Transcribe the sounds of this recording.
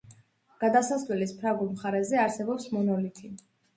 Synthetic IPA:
ɡ̥ad̪asaslɛlispʰɾaɡulˠmχaɾɛzɛaɾsɛbɔpsmɔnɔlit̪ʰi

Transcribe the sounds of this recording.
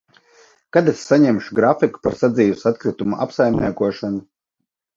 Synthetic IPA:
kad̪esːaɲɛmʃuɡɾafiku̥paɾsad̪ziːjusat̪̚kɾɨt̪umuʔa̰psajmʲnʲḭːkuɔʃanu

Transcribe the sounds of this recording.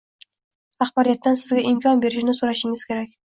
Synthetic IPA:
aχbɒɾijat̪ːansɪzɡʲaʔɪmkʲʰɒnbe̞ɾɪʃnɪsoɾaʃɪŋɪz̥kʲʰeɾakʲ

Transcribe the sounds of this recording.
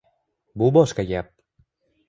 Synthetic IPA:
bʊbɒʃqɑɡʲap̚

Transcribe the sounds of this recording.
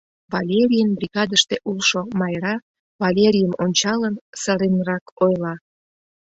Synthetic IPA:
βɑlʲeɾʲijənbriɣɑd̪əʃt̪eʔulʃomɑjɾɑ | βɑlʲeɾʲijəmonʲt͡ɕɑlənsəɾenrɑkojlɑ

